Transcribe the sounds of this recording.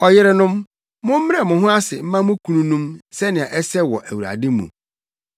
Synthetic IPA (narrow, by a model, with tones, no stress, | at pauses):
ɔ˨jɪ˦ɾɪ˦nʊ̃˦m | mʊ̃˦m̩˦m˦ɛ˨mʊ̃˨ɦʊ̃˦a˦sɪ˨m̩˦mã˦mʊ̃˦kʰu˦nũ˦nũ˦msɛ˦nɪ̃˨ã˨ʔɛ˦sɛ˦wɔ˨ʔæ˨wu˨ɾa̰˨dɪ˦mṵ̃˨